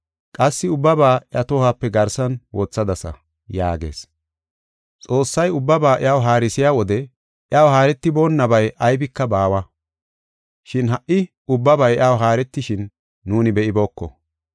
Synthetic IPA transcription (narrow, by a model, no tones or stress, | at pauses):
kʼɐsːɪʊbːɐbaːɪɐt̪ɔːhaːpːɛɡɐɾsɐnwɔt͡sːɐd̪ɐsɐ̰ | ja̰ːɡe̞̰ːs | t͡sʼo̞ːsːɐjʊbːɐbaːʔɪaːwɦaːɾɪsɪjaːwɔd̪ɛ | ʔɪaːwɦaːɾɛt̪ːɪbo̞ːnːɐbɐjʔɐjbɪkːɐbaːwɐ | ʃɪnɦɐʔːɪ | ʊbːɐbɐjjaːwɦaːɾɛt̪ːɪʃɪnː | uːnɪbɛʔɪbo̞ːkːɔ̰